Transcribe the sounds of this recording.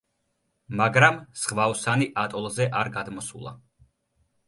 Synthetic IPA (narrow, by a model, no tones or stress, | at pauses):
maɡɾamsχvaɔsaniʔat̪ʼɔlˠzɛʔaɾɡad̪mɔsṵlˠa̰